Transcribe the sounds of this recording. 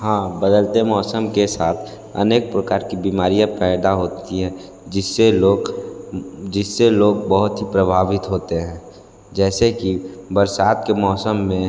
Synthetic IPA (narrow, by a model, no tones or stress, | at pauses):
hãːbəd̪əlt̪emɔːsəmkesaːt̪ʰ | ə̰neːk̚pɾəkaːɾkibiːmaːɾijãpɛːɪd̪aɦoːt̪iɦɛ̃ | d͡ʒɪsːeoːɡ | d͡ʒɪsːeloːɡbəɦʊt̪ɦipɾəbʱaːʋɪt̪ɦoːt̪eɦɛ̃ː | d͡ʒɛːsekibəɾsaːt̪kemɔːsəmːẽ